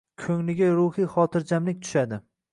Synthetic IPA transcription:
kʲʰɵŋlɪɡʲaɾʊhiχɒt̪ʰɪɾd͡ʒamlɪk̚ʲt̪ʰʊ̥ʃad̪ɪ

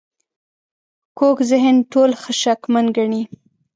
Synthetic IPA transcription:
kokzɪɦɪnʈolxəʃakmanɡaɳi

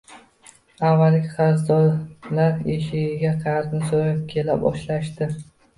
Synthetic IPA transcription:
avːalʲɪqʰɑɾzd̪ɒlaɾeʃɪɡʲɪɡʲaqʰɑjɾnɪsoɾap̚kʲʰe̞lapɒ̰ʃlaʃt̪ɪ

